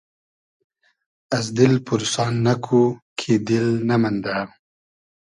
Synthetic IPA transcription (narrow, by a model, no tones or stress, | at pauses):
as̬d̪ɪlpuɾsɑːnːakʰukʰed̪ɪlnamand̪a